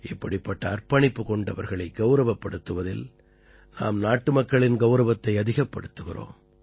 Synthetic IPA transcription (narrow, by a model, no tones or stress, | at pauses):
ʔɪpːɐɽɪpːɐʈːɐːrpɐɳɪpːɯkɔɳɖɐʋɐ̰ɾɣɐɭɐɪɡɐʊɾɐʋɐpːɐɽɯt̪ːɯʋɐðɪl | na̰ːmnaːʈːɯmɐkːɐɭɪnɡɐʊɾɐʋɐt̪ːɐɪɐðɪɣɐpːɐ̰ɽɯt̪ːɯɣɪro̰ːm